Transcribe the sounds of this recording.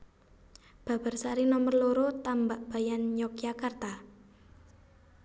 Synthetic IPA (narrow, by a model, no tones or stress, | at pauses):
b̥a̤b̥a̤rsaɾinɔmərloɾot̪ambaʔb̥a̤janjɔkjakart̪a